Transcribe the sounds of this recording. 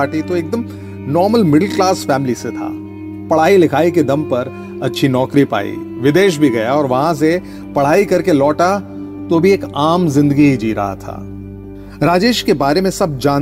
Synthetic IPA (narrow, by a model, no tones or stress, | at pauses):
aːʈit̪oeːk̚d̪əm | nɔːɾməlmɪɖəlklaːsfɛːmɪliset̪ʰa̰ː | pɐɽ̤aːilɪkʰaːiked̪ɐ̃mpɐɾ | ɐtːʃʰinɔːkɾipa̰ːḭʋɪd̪eːʃ̬bʱiɡɐjaɔːɾʋɐɦãs̬e | pɐɽ̤aːikɐɾkelɔːʈa | t̪obʱieːkaːmzɪ̃nd̪əɡibʱid͡ʒiːɾɐ̰ɦa̰t̪ʰa̰ː | ɾaːd͡ʒeːʃkebaːɾemẽsɐb̚d͡ʒãːn